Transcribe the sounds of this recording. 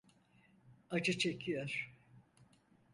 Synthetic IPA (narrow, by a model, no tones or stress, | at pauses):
ad͡ʒɯt͡ʃʰekʰijoɾ̥